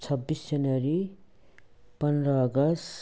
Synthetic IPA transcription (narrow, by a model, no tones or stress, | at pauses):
t͡sʰʌbːisd͡zʌnʌɾi | pʌnrʌːɡʌs